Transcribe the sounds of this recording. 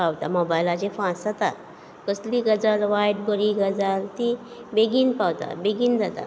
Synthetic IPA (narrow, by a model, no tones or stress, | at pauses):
awt̪amobajlad͡ʑefãsat̪a̰ | kəsliɡəd͡zalʋajʈ̚bəɾiɡəd͡zalt̪i | beɡiːnpawt̪a̰beɡiːnd͡zat̪a̰